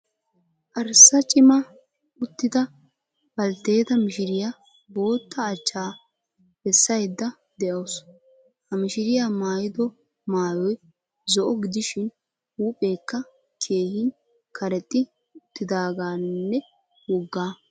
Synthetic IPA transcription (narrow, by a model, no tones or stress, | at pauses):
ʔɐɾsːɐt͡ʃʼɪmɐ | ʔʊt̪ːɪd̪ɐ | b̥ɐlt̪e̞ːt̪ɐmɪʃɪɾɪja | bo̞ːt̪ːɐːt͡ʃːaː | b̥ɛsːɐjd̪ːɐ | d̪ɛʔoːs | hɐmɪʃɪɾɪjaːmaːjɪd̪ɔ | maːjɔj | zɔʔɔɡɪd̪ɪʃɪn | uːpʼe̞ːkːɐ | kʰe̞ːhɪn | kɐɾɛt̪ʼːɪ | ʊt̪ːɪd̪aːɡaːnːɛ | wɔɡːaː